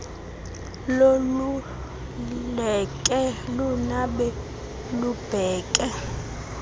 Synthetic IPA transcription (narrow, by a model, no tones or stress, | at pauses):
lolu | lɛkʼɛlunaɓɛ | lub̥ʱɛːkʼɛ